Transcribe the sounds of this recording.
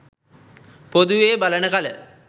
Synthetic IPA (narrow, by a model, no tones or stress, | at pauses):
pod̪uʋeːbalənəkalə